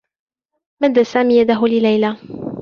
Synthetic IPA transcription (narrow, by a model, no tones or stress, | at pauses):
mad̪ːasaːmiːjad̪aɦʊlɪlajla